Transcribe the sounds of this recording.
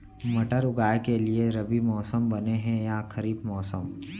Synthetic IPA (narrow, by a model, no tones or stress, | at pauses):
mɐʈəɾʊɡaːekelieɾɐbimɔːsəmbɐneɦɛ̃jakʰəɾiːbmɔːsəm